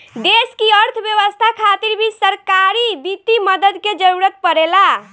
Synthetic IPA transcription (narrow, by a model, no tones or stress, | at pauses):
d̪eskiəɾt̪ʰbjəʋəst̪ʰakʰat̪iɾbʱisəɾkaɾibit̪iməd̪əd̪ked͡ʒəɾuɾət̪̚pəɾela